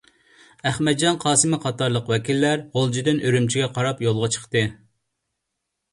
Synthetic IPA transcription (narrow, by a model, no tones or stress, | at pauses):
æχmɛd̪̚d͡ʒɑnqʰɑːsɨmɨqʰɑt̪ɑɾlˠəqwɛkʲilːæɾʁolˠd͡ʒid̪ɪnøɾymt͡ʃʰiɡʲɛqʰɑɾɑpjolˠʁɑt͡ʃʰə̥χt̪ɨ